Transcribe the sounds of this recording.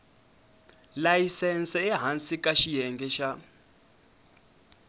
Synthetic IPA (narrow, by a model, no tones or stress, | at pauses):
lajisɛnsɛɛɦansʼikʼaʃijɛŋɡɛʃa